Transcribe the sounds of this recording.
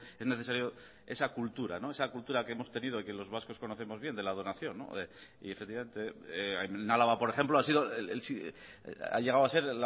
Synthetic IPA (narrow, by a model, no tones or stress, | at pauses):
e̞zne̞θe̞saɾjo | e̞̰sakult̪uɾa̰no̞e̞sakult̪uɾakeemo̞st̪e̞nið̞oikelo̞zβasko̞sko̞noθe̞mo̞zβje̞nd̪e̞lað̞o̞naθjo̞nːo̞̰ | ḭefek̚t̪iβame̞nt̪e̞ | nalaβapo̞ɾeχe̞mploasiðoeelsi | a̰ʎe̞ɣ̞awase̞ɾl